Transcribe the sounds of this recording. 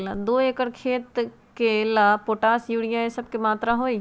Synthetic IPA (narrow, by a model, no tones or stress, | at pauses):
lad̪oːeːkəɽkʰeːt̪ | kelaːpoːʈaːsjuːɽijãːeːsəb̚kemaːt̪ɾaːɦoːiː